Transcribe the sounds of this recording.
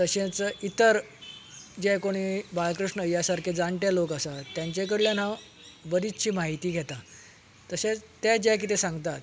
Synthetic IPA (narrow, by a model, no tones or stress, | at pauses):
t̪əɕẽt͡səʔit̪əɾ | d͡ʑɛkoɽ̃iːbalkɾiʂɳəəjasaɾkʰed͡zaɳʈjalokəsat̪jaɲt͡ɕek̬əɽljan̤aʋ | bəɾit̪t͡ɕiːmaɦit̪iːɡʱɛt̪a | t̪əɕet̪jad͡ʑɛk̬it̪esãŋɡt̪at̪